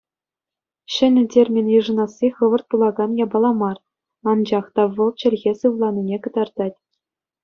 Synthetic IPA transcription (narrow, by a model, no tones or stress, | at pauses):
ɕɘ̆nʲɘ̆tʲerʲmʲenʲjɯʐɤ̆nɑsʲːiχɤʋɤ̆rt̪̚pulˠɑɡɑnjɑbɑlˠɑmɑr | ɑnd͡ʑɑχt̪ɑʋɤ̆lˠt͡ɕɘ̆lʲɣʲesɯʋlˠɑnʲinʲekɤ̆d̪ɑrd̪ɑtʲ